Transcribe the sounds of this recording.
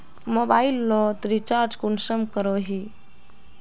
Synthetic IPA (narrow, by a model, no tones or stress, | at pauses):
mobailːɔt̪ɾit͡ʃaɾd͡ʒkunsəmkəɾoɦi